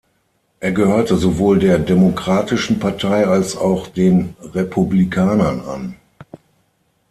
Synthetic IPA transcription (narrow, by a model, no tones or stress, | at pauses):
ʔeːɐɡəhøːɐtəzovoːldeːɐdemokʁ̥aːtɪʃn̩paɐtʰaɪalsaʊxd̥eːnʁepʰublikʰaːnɐna̰n